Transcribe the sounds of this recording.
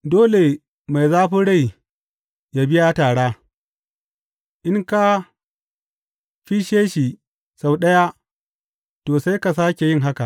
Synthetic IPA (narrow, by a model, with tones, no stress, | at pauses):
doː˦le˨ | ma˨jzaː˦ɸʊ˦ɽa˦˨j | ja˦bɪ˦ja˦taː˨ɽaː˦ | ʔɪ˦ŋka˦ | ɸiː˦ʃeː˦ʃi˨ | sa˨wɗɐ˦ja˦ | toː˨sa˦jka˨s̬aː˦kʲe˨jɪ˦ŋɦa˦ka˨ʔ